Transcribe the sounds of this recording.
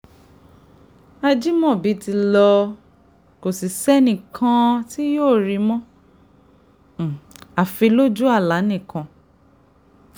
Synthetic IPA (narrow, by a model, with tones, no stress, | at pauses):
a˧d͡ʒi˦mɔ̃˦˨bi˨˦ti˧lɔ˧ | ko˨si˨sɛ˦nĩ˦˨kʰã˦ti˦joː˦˨ɾi˧mɔ̃˦˨ | a˨fi˧lo˦d͡ʒu˦a˦˨la˨˦nĩ˦˨kã˧